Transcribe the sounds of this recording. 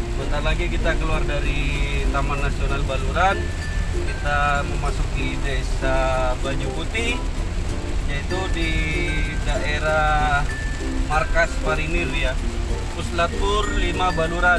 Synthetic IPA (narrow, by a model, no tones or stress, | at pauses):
bənt̪arlaɡikit̪akəluardaɾit̪amanːasionalbaluɾan | kit̪aməmasukidajsabaɲuput̪i | jait̪udi | daʔeɾah | markasmaɾinirjakuslat̪̚ʊrlimabaluɾa